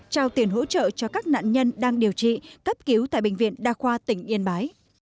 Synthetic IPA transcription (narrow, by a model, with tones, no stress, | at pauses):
t͡ɕaː˧wt̪i˨˩ənɦo̰˧˥t͡ɕə̰ː˧˨t͡ɕɔ˧kaː˦˥k̚na̰ː˧˨nɲə˧nɗaː˧ŋɗi˨˩əwt͡ɕḭ˧˨t̪ə˦˥p̚ki˨˦wt̪a̰ː˧˨jɓï˧˨ŋ̟vḭ˧˨ənɗaː˧xwaː˧t̪ï˧˩ŋ̟ʔi˧ənɓaː˨˦j